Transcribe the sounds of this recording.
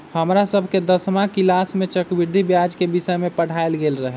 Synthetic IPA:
həmɾasəbʱked̪əsmakilasmet͡ʃəkbiɾd̪ʱibjad͡ʒkebisəjmepəɽ̤ʱaelɡelɾəɦɛ

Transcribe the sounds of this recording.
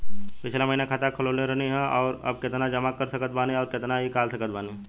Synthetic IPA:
pɪt͡ʃʰlamɐɦinakʰaːt̪akʰɐloːlẽɾɐɦniɦɛɔːɾɐ̰b̚kɪt̪nad͡ʒɐmakɐɾsɐkət̪̚baːneɔːɾkɪt̪naɦikaːlsɐkət̪̚baːne

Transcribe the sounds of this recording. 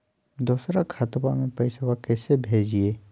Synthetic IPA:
d̪uːsɾakʰaːt̪bamẽpɐɪsəʋakɛːsebʱeːd͡ʒieː

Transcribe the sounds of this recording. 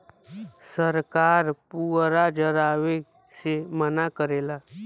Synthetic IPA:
səɾkaːɾpuːɾad͡ʒəɾaːʋe | semənakəɾeːla

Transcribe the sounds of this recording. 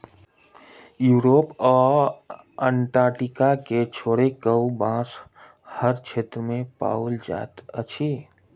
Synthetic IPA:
juːɾoːpɔː | ə̃ɳʈaːɾʈɪkaket͡ʃʰoːɽekəwbãːs | həɾt͡ʃʰeːt̪ɾəmẽpa̰uld͡ʒa̰ːt̪ət͡ʃʰi

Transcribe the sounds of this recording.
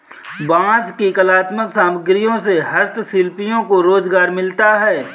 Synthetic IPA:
bãːskikəlaːt̪məksaːməɡɾijõseɦɐɾt̪ʰsɪlpijõkoɾoːzɡaːɾmɪlt̪aɦɛː

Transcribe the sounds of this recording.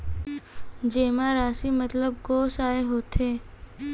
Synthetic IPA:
d͡ʒeːmaɾaːsimɐt̪ləb̚koːsaːeɦoːt̪eː

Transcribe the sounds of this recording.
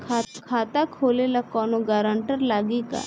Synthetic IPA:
kʰakʰaːt̪akʰoːlelakɔːnoɡaːɾəɳʈəɾlaːɡika̰ː

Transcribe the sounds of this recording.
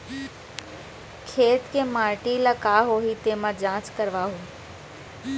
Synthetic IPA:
kʰeːt̪kẽmaːɾʈilakaːɦoːɦit̪eːmãd͡ʑãːt͡ɕkəɾʋaːɦoː

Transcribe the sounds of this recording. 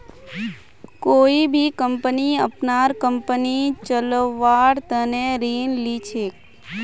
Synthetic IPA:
koibʱikəmpəniə̰pnaɾkəmpənit͡ʃələʋaɽt̪əneɾinlit͡ʃʰek

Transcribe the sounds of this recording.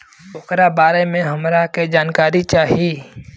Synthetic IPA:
ʊkɾabaːɾemẽɦɐmɾaked͡ʒaːnkaːɾit͡ʃaːɦieː

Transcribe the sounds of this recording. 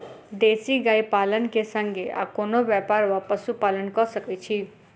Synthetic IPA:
d̪esiɡajpalənkesʌŋɡea̰konobjapaɾwapʌsupalənkʌsʌket͡ʃʰi

